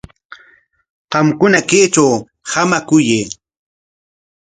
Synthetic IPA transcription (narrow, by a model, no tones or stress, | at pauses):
qɑmkʊnakeːt͡ʃaw | hamakʊjeː